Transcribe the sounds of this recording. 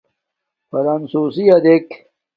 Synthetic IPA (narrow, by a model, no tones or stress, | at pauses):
fɐɾɐnsuːsijɐd̪ek